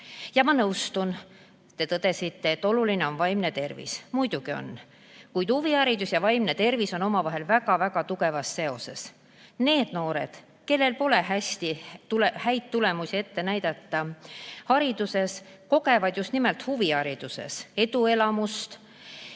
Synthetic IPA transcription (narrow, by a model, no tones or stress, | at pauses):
jɑmɑnɤwst̪un | t̪e̞t̪ɤd̪̥e̞sit̪ːe̞ːt̪ːˑo̞luline̞o̞nvɑjmne̞t̪e̞rvḭsmujd̪̥uɡ̥io̞̰nː | kujd̪̥huviɑɾid̪usjɑvɑjmnet̪e̞rviso̞no̞mɑvɑɦe̞lvæɡɑvæɡɑt̪uɡe̞vɑsse̞o̞se̞̰s | ne̞ːd̪̥no̞ːɾe̞̰d̪̥ | ke̞lːe̞lpo̞le̞ɦæsʲt̪iulehæjt̪ːule̞musie̞t̪ːe̞næjd̪̥ɑt̪ːɑhɑɾid̪use̞sko̞ɡe̞vɑd̪just̪nimelt̪huviɑɾid̪̥use̞̰se̞d̪ue̞lɑmust̪